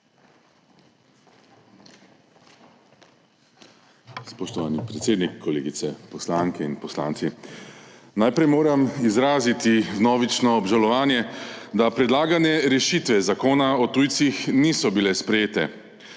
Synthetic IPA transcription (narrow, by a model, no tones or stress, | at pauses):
spɔʃt̪ɔʋaːnipɾɛt̪seːd̪nikʰːɔlḛːɡit̪sɛpɔslaŋkɛinpɔsla̰ːnt̪si | najpɾɛjmoːɾamizɾaːzit̪ivnɔːʋit͡ʃnɔːbʒalɔʋaːnjɛd̪apɾɛd̪laːɡanjɛɾɛʃit̪ʋɛzakoːnaɔt̪uːjt̪sixniːsɔbilɛspɾɛjeːt̪ɛ̰